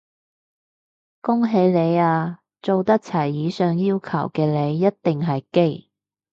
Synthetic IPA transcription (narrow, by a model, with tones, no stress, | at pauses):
kʊ˥ŋɦe˨˧jle˨˧jaː˧ | t͡so˨wt̪ɐ˥k̚t͡sʰɐ˨˩jːiː˨˧sœː˨ŋjiː˥wkʰɐ̰˨˩wkɛː˧le˨˧jːɐ˥t̚t̪ɪ˨ŋɦɐ˨jke˥j